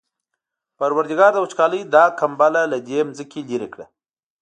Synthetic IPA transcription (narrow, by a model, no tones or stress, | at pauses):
paɾwaɾd̪ɪɡɑɾd̪əwət͡ʃkɑləjd̪ɑkambalalad̪emzəkʲeliɾekɽa